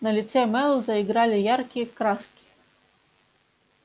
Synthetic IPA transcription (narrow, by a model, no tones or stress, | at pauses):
nɐlʲit̪sɛmɛlˠuwzɐiɡɾɑlʲɪjɑrkʲikɾɑskʲi̥